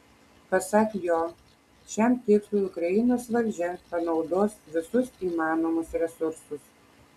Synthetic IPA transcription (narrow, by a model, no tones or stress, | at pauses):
pɐsɑkjoː | ʃʲɛmt̪ʲeːkt̪uʊkɾɐɪnoːsʋɐlʲd͡ʒʲɛpɐnɒʊd̪oːsʋʲɪsʊsiːmɑːnoːmʊsɾʲɛsʊɾsʊs